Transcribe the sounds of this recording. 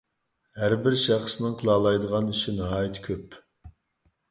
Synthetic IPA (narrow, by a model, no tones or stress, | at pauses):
hæɾbɪɾʃɑχsɨnɨŋqʰəlˠɑlˠɑjd̪əʁɑnyʃɪnɑɦɑːjit̪ʰkʲʰøp